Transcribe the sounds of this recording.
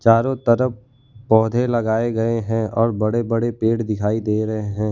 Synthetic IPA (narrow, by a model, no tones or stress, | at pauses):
t͡ʃaːɾõt̪ɐɾəp̚ː | ɔːd̪ʱelɐɡaːeɡɐeɦɛ̃ɔːɾbɐɽebɐɽepeːʈd̪ɪkʰaːid̪eːɾɐɦeɦɛ̃ː